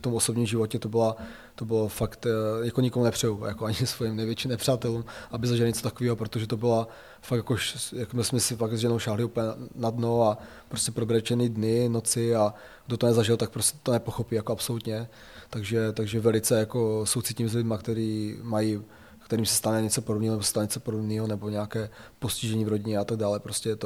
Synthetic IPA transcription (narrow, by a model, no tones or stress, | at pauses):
ft̪omʔoso̞bɲiːmʒɪvo̞cɛt̪o̞bɪla | t̪o̞bɪlofakt̪ɲakoɲɪkomunɛpr̝̥ɛjuja̰koaɲɪsvojimnɛjvjɛt͡ʃiːmnɛpr̝̥aːt̪ɛluːmʔabɪzaʒɪlɲɛt͡sot̪akoviːɦopɾot̪oʒɛt̪o̞bɪla | fak̪jakoʃjakomɪsmɛsɪfaɡzʒɛnowʃaːɦlɪupəɲɛnadno̞a | pɾoscɛpɾobɾɛt͡ʃɛniːdnɪnot͡sɪa | ɡ̥dot̪onɛzaʒɪlt̪ak̚pɾoscɛt̪onɛpoxopiːjakoapsolut̪ɲɛ | t̪aɡʒɛt̪aɡʒɛvɛlɪt͡sɛjako̞sowt͡sitcimzlɪdmakt̪ɛɾiːmaji | kt̪ɛɾiːmsɛ̥st̪anɛɲɛt͡so̞podobniːɦonɛbosɛ̥st̪alɲɛt͡sopodobniːɦonɛbo̞ɲɛakɛːpo̞scɪʒɛɲiːvɾo̞ɟɪɲɛat̪aɡ̚daːlɛpɾoscɛjɛt̪o